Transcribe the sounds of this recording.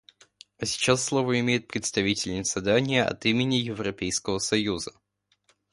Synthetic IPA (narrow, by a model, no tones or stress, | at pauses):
ɐsʲɪ̥t͡ɕasːlˠovəɪmʲejɪt̪̚pɾʲɪt̪st̪ɐvʲitʲɪlʲnʲɪz̥ɐd̪anʲɪjəʔɐ̰t̪imʲɪnʲɪjɪvɾɐpʲejskəvəsɐjuzə